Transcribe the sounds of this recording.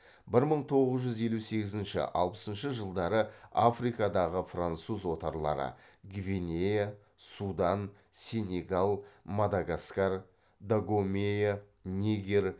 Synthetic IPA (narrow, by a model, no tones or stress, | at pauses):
bɪɾməɴt̪ʰo̞ʁəzʒʏze̞luse̞ɡʲɪzɪnʃɪ̰ʔɑ̰lˠpə̥sənʃəʒəlˠd̪ɑɾəafrijkɑd̪ɑʁəfrant̪suzwo̞t̪ɑɾlˠɑ̰ɾə̰ɡvʲinʲeja | sud̪ɑn | sʲe̞nʲe̞ɡalˠmad̪aɡaskar | d̪aɡomeja | nʲeɡʲer